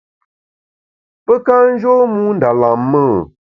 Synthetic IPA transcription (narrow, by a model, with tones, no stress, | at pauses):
pə˦ka˦n̩˦ʒo˦mũ˦n̩˦da˨la˨mːə˦˨